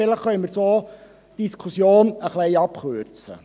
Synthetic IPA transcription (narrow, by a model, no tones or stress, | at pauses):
ɪləχχœʏməɾsoː | d̥iskʰusjoːnəχlɛɪɑpχøɾt͡sə̰